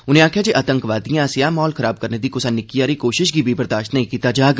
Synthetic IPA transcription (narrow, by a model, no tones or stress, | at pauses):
ʊnẽaːkʰjad͡ʒeʔɐt̪ə̃ŋkʋaːd̪ijãsjamɔːlkɐɾaːb̚kɐɾned̪ikʊsanɪkijaːɾikoːʃɪʃkibʱiːbɐɾd̪aːʃʈnɐɦĩkiːt̪ad͡ʒaːɡ